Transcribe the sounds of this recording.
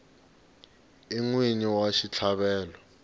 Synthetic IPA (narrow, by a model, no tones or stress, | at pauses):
iŋwiɲiwaʃit͡ɬʰaɓɛːlɔ